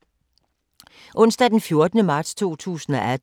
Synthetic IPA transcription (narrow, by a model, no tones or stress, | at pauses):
ʔɔ̽n̰sd̥æd̥enfjo̝ɐd̥ənəmɑ̈ːd̥st͡sʰo̝̰ːt͡sʰṵːsn̩ɒ̽ʔæd̥